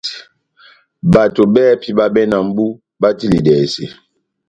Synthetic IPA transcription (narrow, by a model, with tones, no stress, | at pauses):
ba˨to˨bɛː˦pi˦ba˦bɛ˦na˨m̩˦bu˦ | ba˦ti˦li˨dɛː˨sḛ˨